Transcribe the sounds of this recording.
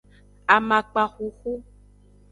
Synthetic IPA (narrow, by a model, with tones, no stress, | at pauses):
a˨mã˨k͡pa˨xu˨xu˦